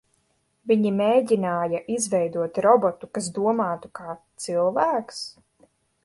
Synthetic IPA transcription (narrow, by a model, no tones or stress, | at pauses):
viɲimeːɟʲinaːjaʔizvɛjd̪uɔt̪ɾɔbɔt̪ukas̬d̪uɔmaːt̪ukaːt̪silˠvæːks